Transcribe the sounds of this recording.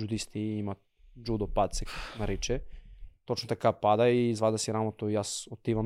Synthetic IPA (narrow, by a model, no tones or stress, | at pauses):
d͡ʒud̪ist̪iimat̪ | d͡ʒud̪opat̪sɛnaɾit͡ʃɛt̪ot͡ʃnot̪akapad̪aizvad̪asiɾamot̪oijasot̪iʋam